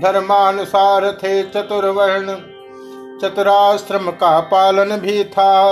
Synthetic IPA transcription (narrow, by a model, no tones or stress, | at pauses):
d̪ʱɐɾmaːnʊsaːɾɐt̪ʰeːt͡ʃɐt̪ʊɾʋɐɦɪɽ̃ | t͡ʃɐt̪ʊɾaːsɾɐmkaːpaːlən̆bʱiːt̪ʰaː